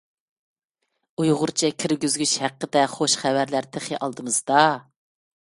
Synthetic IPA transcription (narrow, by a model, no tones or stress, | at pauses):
ujʁʊɾt͡ʃʰɛkʲʰiɾɡʲyzɡʲyt͡ʃhæqːəd̪ɛχoʃχævæɾlæɾt̪ʰeχiʔɑlˠd̪ɨmɨz̥d̪ɑ